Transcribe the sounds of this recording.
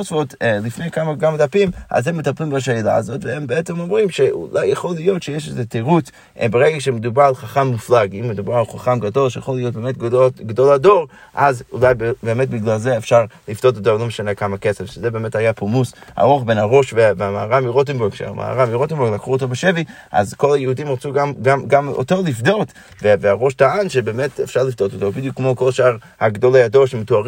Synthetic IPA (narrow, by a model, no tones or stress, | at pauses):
osvotlifnejkamakamadapimʔa̰zhemːetaplimbaʃ̬eila̰azotvehembeet͡semomʁimʃeṵlajeχolijotʃejeʃezeteʁut͡s | beʁeɡakʃemed̪ubaʁalχaχamːuflaɡimːed̪ubaʁalˠχaχamɡado̞lʃejaχolijot̚beːmet̚ɡoɡdoladoʁ | ʔazulajbbeːmetbiɡlalzeːfʃaʁlifd̥ototoʁlomeʃanekamakesefʃezebeːmethajapumusha̰ʁoχbenaʁoʃveveamaaʁamiʁot̬embɛɡʃea̰mʔa̰a̰ʁamiʁotɛnbɛɡlakʁuotobeʃevi | ʔa̰zkolajəhudimʁat͡suɡamɡamɡamo̰tolifdot | veveaʁoʃtaanʃebeːmetefʃaʁlifdototobidjukːmokolʃaːʁ | haɡdolajadoʃemetuaʁ